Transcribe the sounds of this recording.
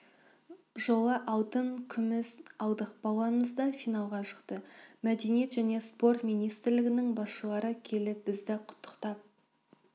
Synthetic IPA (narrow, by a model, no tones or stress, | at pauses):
ʒo̞lˠɑʔɑwˠt̪əɴkʲʰʏmɪzɑlˠd̪əqbɑlˠɑməzd̪ɑfijnɑlˠʁɑʃə̥qt̪əmæd̪enije̞t̪ʒæne̞spo̞ɾt̪mijnijst̪ɾlɪɡʲɪnɪŋbɑsʃəlˠɑɾəkʲʰe̞lɪp̚bɪzd̪ɪqʰʊ̥t̪ʰːə̥qt̪ɑp̚